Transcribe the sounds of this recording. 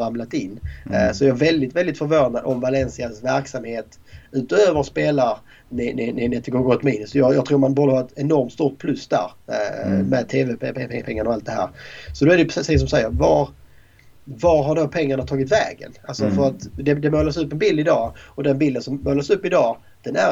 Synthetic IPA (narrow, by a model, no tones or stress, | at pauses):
ɾamlat̪ɪnːsɔjɑːvɛld̪ɪt̪vɛld̪ɪt̪fœɾvoːnad̪ɔmvalɛnsɪasvæɾksamheːt̪ | ʉ̟ːt̪ɔøːvəɾʂpeːlaɾ | nɪnɪnɪnɛt̪ʰːɪɡoːɾɡot̪miːnɵsɔjɑːjɑːɡt̪ʰɾuːɾmanbɑːd̪əhaɾɛt̪ɛnɔɾmt̪st̪uːt̪̚pʰlɵsd̪æ̰ɾ | mɛd̪̚t̪ʰeːvɛpɛɛpʰɛŋːaɾɔalt̪̚d̪ɛɦæ̰ːɾsɔd̪oɛdɛjpʰɾsiːs̬ɔmsɛjːəɾvaɾ | vaɾɦaɖoːpʰɛŋːaɳat̪ʰɑːɡɪt̪vɛ̰ːɡə̰nalsɔfœɾat̪d̪ɛd̪ɛmoːlasɵpːɛnbɪld̪ɪd̪ɑːɔd̪ɛnbɪld̪ənsɔmːoːlasɵpːɪd̪ɑː | d̪̥ɛnæɾ